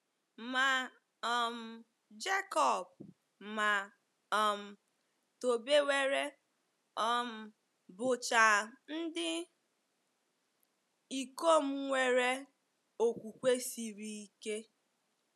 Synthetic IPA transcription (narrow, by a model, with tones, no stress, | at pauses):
ma˨ | ɔ˨m̩˨ | d͡ʒe˦kɔ˨b̚ | ma˨ | ɔ˨m̩˨ | to˨be˦we˦ɾe˦ | ɔ˦m̩˨ | bʊ˨t͡ʃa˨n̩˦dɪ˦ | i˨ko˦˨m̩˦ŋʷe˨ɾe˦ | o˨kʷu˨kʷe˦si˨ɾi˦i˦ke˦